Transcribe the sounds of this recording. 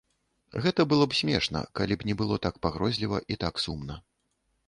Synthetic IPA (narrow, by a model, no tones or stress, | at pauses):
ɣɛt̪ɐbɨlˠɔpsʲmʲɛʂnɐ̰kalʲibnʲɛbɨlˠɔt̪ak̚paɣɾɔzʲlʲivɐʔit̪aksumnɐ